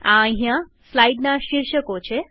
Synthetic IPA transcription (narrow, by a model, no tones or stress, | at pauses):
ãɦjãslajɖnaɕiɾɕəkot͡ɕʰe